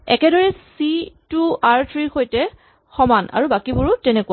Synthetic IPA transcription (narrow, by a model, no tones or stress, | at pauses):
ɛ̰kɛdɔɹɛsituaɹtʰɹiɹxojtɛ | xɔmanʔa̰ɹubakibuɹutɛnɛkua